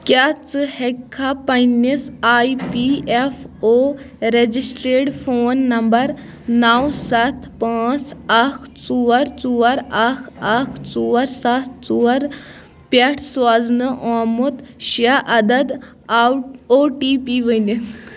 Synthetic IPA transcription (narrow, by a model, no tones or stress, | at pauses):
kjat͡shɛkʰːapɐnisajpiefo | ɾed͡ʑisʈɾeʈfoːnːɐmbəɾ | nawsat̪ʰpãt͡sakʰt͡suʋəɾt͡suʋɐɾakʰakʰt͡suʋɐɾsat̪ʰt͡suʋɐɾ | paʈʰsʋad͡znəʔɔmut̪ɕaʔɐd̪ɐd̪ | oʈipiʋəjni